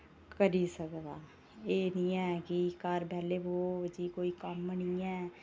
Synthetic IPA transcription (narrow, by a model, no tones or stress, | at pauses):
kəɾiːsəkd̪aː | eːnĩːɛːkikaɾbɛːleːboːd͡ʒiːkoːiːkəmnĩːɛː